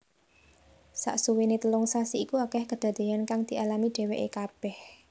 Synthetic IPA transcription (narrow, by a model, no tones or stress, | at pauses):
sa̰ʔsuwenet̪əlʊŋsasiːkuakɛhkəd̪̥a̤d̪̥e̤ankaŋd̪̥i̤ʔalamiɖ̪̥e̤weʔekab̥ɛh